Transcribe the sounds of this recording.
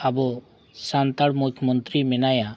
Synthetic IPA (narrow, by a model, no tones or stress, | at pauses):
abɔ | sant̪aɽmukʰjmɔnt̪ɾimenaja